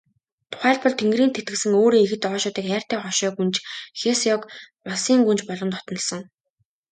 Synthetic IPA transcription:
t̪ʰʊ̥χæːɮpɔɮt̪ʰeŋɡriːnt̪ʰet̪ɡɘ̆sɘ̆ŋoːɾiːŋexɘ̆t̪ɔːʃɔːt̪iːkæːr̥t̪ʰæːχɔʃɔːɡunt͡ɕxesjɔkmasiːŋɡunt͡ɕpɔɮɞ̆nt̪ɔt̪nə̆ɮsɞ̆ŋ

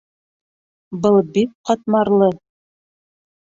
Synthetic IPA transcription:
bɤlˠbik̚qɑt̪̚mɑɾlˠɤ

